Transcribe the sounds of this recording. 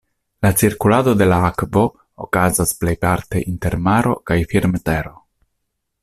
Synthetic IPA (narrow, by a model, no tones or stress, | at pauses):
lat͡siɾkulado̞de̞laakvo̞ | o̰kazasple̞jpaɾte̞ʔinte̞ɾmaɾo̞̰kajfiɾmte̞ɾo̞